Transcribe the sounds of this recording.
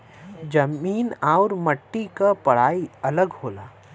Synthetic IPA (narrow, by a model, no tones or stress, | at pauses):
d͡ʒɐmiːnaːʊɾmɐʈːikapɐɽ̤aːiɐləɡɦoːla̰ː